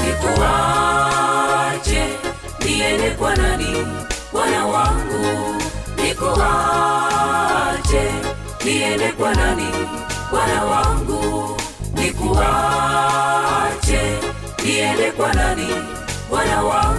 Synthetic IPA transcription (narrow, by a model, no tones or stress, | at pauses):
nikuɦa | t͡ʃɛ | niɛɾɛkwananiwanawaŋɡunikɔha | t͡ʃɛ | niɛlɛkwanani | wanawaŋɡu | nikuɦa | t͡ʃɛ | niɛlɛkwanani | wanawa